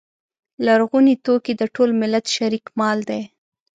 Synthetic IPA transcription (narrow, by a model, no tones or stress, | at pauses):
laɾɣunit̪okid̪əʈolmɪlat̪ʃaɾikmɑld̪ej